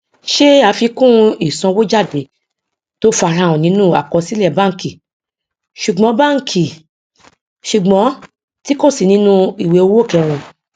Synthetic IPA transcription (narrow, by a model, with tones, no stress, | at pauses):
ʃe˦a˨˧˦fi˧kũ˦i˦˨sɔ̃˧wo˦d͡ʒa˦˨de˨˦ | to˦fa˧ɾã˧˦w̃ɔ̃˨nĩ˨˦nũ˦˨a̰˨kɔ˧si˦lɛ˦˨bã˦ŋ̩˨ki˨ | ʃu˨ɡ͡bɔ̃˨˦bã˦˨ŋ̩˨kʰi˨ | ʃu˨ɡ͡bɔ̃˨˦ | ti˦ko˦˨si˨nĩ˧˦nũ˧˦i˨we˨o˧wo˦˨kɛ˧w̃ɔ̃˧